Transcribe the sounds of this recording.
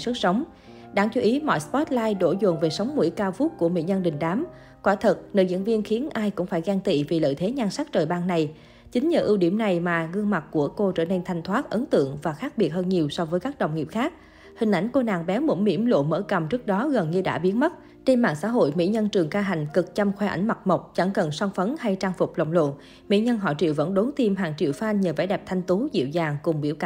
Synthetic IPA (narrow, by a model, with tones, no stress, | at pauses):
sɨ˦˥k̚sə˨˦wŋ͡m | ɗaː˧˩ŋt͡ɕu˨˦ʔi˨˦mɔ̰˧˨jspɔ˦˥t̚laː˧jɗo̰˧˩zo̰˨ənve˨˩sə˨˦wŋ͡mmṵ˧˥˦jkaː˧wfu˦˥t̚ku˧˩əmḭ˧˥ɲə˧nɗï˨˩ŋ̟ɗaː˨˦m | kwaː˧˩t̪ʰə˨˩t̚nə̰ː˧˩jzḭ˧˥ənvi˧ənxi˨˦ənʔaː˧jkʊ̰˧˥ŋ͡mfaː˧˩jɣaː˧ŋt̪ḭ˧˨vi˨˩lə̰ː˧˨jt̪ʰe˨˦ɲa˧nsa˦˥k̚t͡ɕəː˨˩jɓaː˧nna˨˩j | t͡ɕï˨˦ŋ̟ɲə̰ː˨˩ʔɨ˧wɗi˧˩əmna˨˩jmaː˨˩ŋɨ˧əŋma˨˩t̚ku˧˩əko˧t͡ɕəː˧˩ne˧nt̪ʰa˨˩jŋ̟t̪ʰwaː˦˥t̚ʔə˨˦nt̪ɨ̰˧˨əŋvaː˨˩xaː˦˥k̚ɓi˨˩ət̚həː˧nɲi˨˩əwsɔ˧vəː˨˦jkaː˦˥k̚ɗə̰˧˨wŋ͡mŋi˨˩əp̚xaː˦˥k̚ | hï˨˩ŋ̟ʔa˧˩jŋ̟ko˧naː˨˩ŋɓɛ˨˦wmo̰˧˥mḭ˧˥əmlo̰˧˨mə̰ː˧˥˩kə˨˩mt͡ɕɨ˦˥ək̚ɗɔ˨˦ɣə˨˩nŋi˧ɗa̰ː˧˥˩ɓi˨˦ənmə˦˥t̚ | t͡ɕe˧nma̰ː˧˨ŋsa̰ː˧˥ɦo̰˧˨jmḭ˧˥ɲə˧nt͡ɕɨ˨˩əŋkaː˧ɦa˨˩jŋ̟kɨ˨˩k̚t͡ɕə˧mxwɛ˧ʔa̰˨˧˩jŋ̟ma˨˩t̚mə˨˩wk͡p̚t͡ɕa˧˩ŋkə˨˩nswa˧ŋfə˨˦nha˧jt͡ɕaː˧ŋfʊ˨˩k͡p̚lə̰˧˨wŋ͡mlo̰˧˨n | mḭ˧˥ɲə˧nɦɔ̰˧˨t͡ɕḭ˧˨əwvə̰˧˥˩nɗo˨˦nt̪i˧mɦaː˨˩ŋt͡ɕḭ˧˨əwfaː˧nɲəː˨˩vɛ˧˩jɗɛ˨˩p̚t̪ʰa˧jŋ̟t̪u˨˦zḭ˧˨wzaː˨˩ŋkʊ˨˩ŋ͡mɓḭ˧˩əwka˧